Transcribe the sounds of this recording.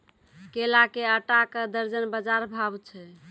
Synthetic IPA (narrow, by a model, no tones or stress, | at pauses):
kelakeəʈakəd̪əɾd͡ʒənbəd͡ʒaɾbʱabt͡ʃʰɛ